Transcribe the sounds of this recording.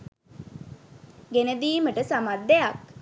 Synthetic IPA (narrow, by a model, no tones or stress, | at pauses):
ɡenəd̪iːməʈəsamad̪ːejak